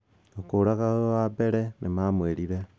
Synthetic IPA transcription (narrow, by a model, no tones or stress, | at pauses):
okoːɾaɣawabɛɾɛnʔemamweɾiɾɛ